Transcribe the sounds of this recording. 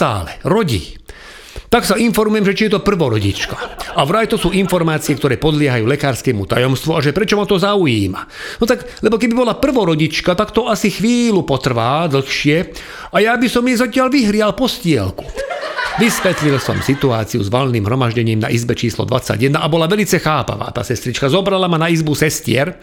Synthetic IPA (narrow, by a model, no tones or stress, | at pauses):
a̰ːlɛɾɔɟḭ | t̪aksainfɔɾmujɛmʒɛt͡ʃijɛt̪ɔpr̩ʋɔɾɔɟḭt͡ʃkaaʊɾajt̪ɔsuːinfɔɾmaːt͡siɛkt̪ɔɾɛːpɔd̪lɪɛɦajuːlɛkaːɾskɛmut̪a̰jɔmst̪ʋuaʒɛpɾɛt͡ʃɔmat̪ɔzaujiːma | nɔt̪aɡ | lɛbɔkɛbibɔlapr̩ʋɔɾɔɟit͡ʃkat̪akt̪ɔasixʋiːlupɔt̪r̩ʋaːd̪l̩xʃɪɛ | ajabisɔmjɛzacɪalʋiɦɾɪalpɔscɪɛ̰lku̥ʋisʋɛt̪lilsɔ̰msit̪uaːt͡siṵzʋɔlniːmɦɾɔmaʒɟɛɲiːmna̰ʔizbɛt͡ʃiːslɔ̰d̪ʋat͡sa̰ɟjɛd̪naʔabɔlaʋɛlit͡sɛxaːpa̰ʋa̰ːt̪a̰ːsɛst̪ɾit͡ʃkazɔbɾalamanaizbusɛscɪɛ̰ɾ